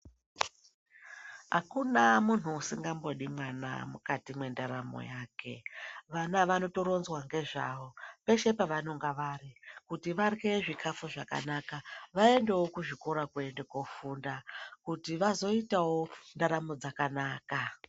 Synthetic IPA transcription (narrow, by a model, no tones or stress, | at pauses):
ɦa̰kunamun̤uusiŋɡambo̞ɗimwana̰mukatimwe̞ndaɾamo̰jaːke̞̰ʋanaʋano̞to̞ɾo̞nzwaŋɡe̞ʐa̰ʋo̞pe̞ʃe̞paʋano̞ŋɡaʋaːrikutiʋarɣe̞ʐikʰafuʐaka̰nakaʋae̞nde̞wo̞kuʐikoɾakue̞ndekofundakutiʋazo̞itawo̞ndaɾamo̞d͡zakanaːka